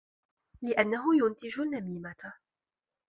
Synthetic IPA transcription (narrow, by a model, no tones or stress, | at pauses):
lɪʔanːaɦʊjʊnt̪ɪd͡ʒʊnːamiːma